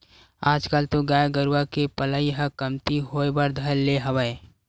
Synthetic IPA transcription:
aːd͡ʒkalt̪oɡaːjɡəɾwakepələiɦəkəmt̪iɦoːebəɾd̪ʱəlːeɦəwəe

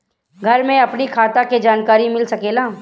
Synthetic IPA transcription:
ɡʱɐɾmẽɐpnikʰaːt̪aked͡ʒaːnkaːɾimɪlsɐkeːlaː

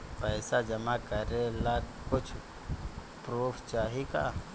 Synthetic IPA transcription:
pəːsad͡ʒəmakəɾela | kʊt͡ʃʰ | pɾuːpʰt͡ʃaːɦika̰

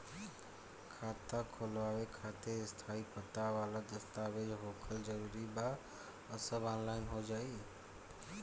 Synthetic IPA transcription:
kʰaːt̪akʰolʋaːʋekʰaːt̪eɪst̪ʰaːipət̪aʋaːləd̪əst̪aʋed͡ʒɦoːkʰəld͡ʒəɾuːɾiba | əsəbɔ̃ːnlaːɪnɦod͡ʒaːiː

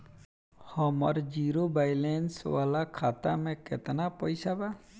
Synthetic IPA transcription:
hɔmɔ̰ɾd͡ʒiɾobajlɛnswalakʰat̪a̰mɛkɛt̪anapɔjsaba

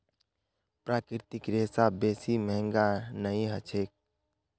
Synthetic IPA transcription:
pɾaːkɾɪt̪ɪkɾesabeːsiməɦɪ̃ŋɡanəĩɦət͡ʃʰeːk̚

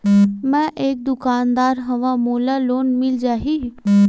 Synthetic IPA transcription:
mɛ̃ʔeːk̚d̪ʊkaːnd̪aːɾɦɐʋãmoːlaloːnmɪld͡ʒaːɦiː

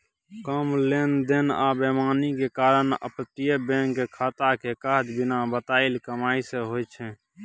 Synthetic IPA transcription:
kəmlend̪ena̰bemaːnikekaːɾənə̰pət̪ijəbɛ̃ŋkekʰaːt̪akekaɦd͡ʒbɪnabət̪aːɪlkəmaːiseɦojt͡ʃʰɛ̃

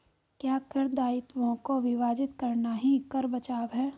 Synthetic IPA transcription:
kjaːkɐɾd̪aːɪt̪wõkoʋɪʋaːd͡ʒɪt̪kɐɾnaɦikɐɾbɐt͡ʃaːʋɦɛː

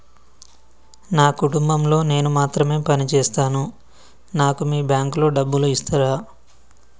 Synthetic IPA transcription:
naːkuʈumbɐmlo̞ːne̞ːnumaːt̪ɾɐme̞ːpɐnit͡ʃɛːst̪aːnu | naːkumiːbjaːŋklo̞ːɖɐbːuluist̪ɐɾaː

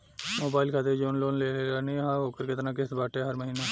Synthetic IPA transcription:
moːbaːɪlkʰaːt̪ed͡ʒoːnloːnleːɾeaniɦaɦoːkəɾkɪt̪nãkɪsbaːʈeɦɐɾməɦiːneː

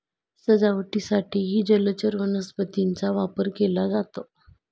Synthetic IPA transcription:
səd͡zaʋʈisaʈʰiːɦiːd͡ʑələt͡ɕəɾʋənəspət̪int͡saʋapəɾkelad͡zat̪o

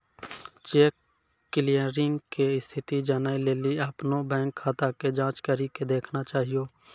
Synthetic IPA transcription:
t͡ʃeːkː | ɪlijəɾɪ̃ŋɡkeɪst̪ʰɪt̪id͡ʒaːnaileːliapnobɛ̃ːŋkʰːaːt̪aked͡ʒãːt͡ʃkəɾiked̪eːkʰnat͡ʃaːɦijoː

